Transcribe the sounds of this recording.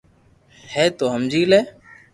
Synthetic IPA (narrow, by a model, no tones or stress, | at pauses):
hɛːt̪oːɦəmd͡ʒiːleː